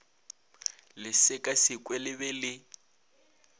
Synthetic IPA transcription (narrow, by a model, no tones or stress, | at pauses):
lɪsɪkʼasɪkʼwɛlɪbɛlɪ